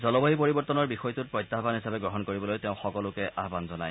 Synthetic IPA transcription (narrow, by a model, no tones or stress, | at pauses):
zɔlɔbɔɦipoɹibɔɹtɔnɔɹbixɔjtʊt̚pɹɔjtːaɦbanɦisabɛɡɹɔɦɔnkoɹibɔlojteʊ̃xɔkɔlʊkɛʔaɦbanzɔna̰j